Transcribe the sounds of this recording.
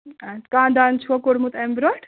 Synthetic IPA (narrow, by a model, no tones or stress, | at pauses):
akãːd̪ant͡ʃʰuɐkoɽmut̪embɾɔʈ